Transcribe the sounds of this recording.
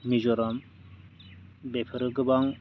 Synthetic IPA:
mizɔɾɔm | bepʰɯɾɯɡɯbaŋ

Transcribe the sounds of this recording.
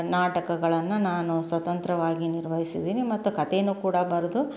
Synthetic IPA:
naːʈɐkɐɡɐɭɐnːunaːnusʋɐt̪ɐnt̪ɾɐʋaːɡiniɾʋɐɦisid̪iːnimɐt̪ːukɐt̪enukuːɽɐbɐɾɐd̪u

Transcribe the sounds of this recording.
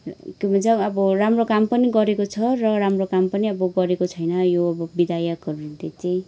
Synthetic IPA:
kjobʱʌnt͡sʌʌbʌramrokampʌniɡʌɾekot͡sʰʌrʌɾamrokampʌniʌbʌɡʌɾekot͡sʰʌjnʌjoʌbʌbid̪ʱajʌkɦʌɾut̪et͡saj̃

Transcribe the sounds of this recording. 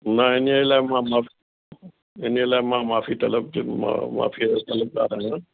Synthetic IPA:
nɐɪnlaːɪmãmaːfi | ɪnelaːɪmãmaːfit̪ɐləb̚ma̰ma̰ːfʰit̪ɐləb̚ka̰ːɾãːɦ

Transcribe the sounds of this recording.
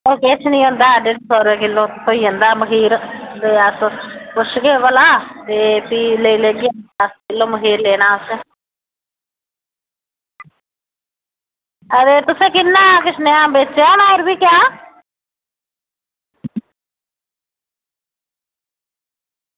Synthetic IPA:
oːket͡ʃʰnəĩːɦõnd̪aːɖeʈsɔːɾeːkɪlːõːt̪sʰoːiːɦõnd̪aːməɦiːɾd̪eəspʊʃɡeːʋəlaːt̪eːpiːleileːɡɪaəskɪlːõːməɦiːɾleːnaːʊsẽ | əd̪eːt̪ʊsẽːkɪnːaːkɪsnẽːãːbeːt͡ʃːaːnaːɪɾbiːkjaː

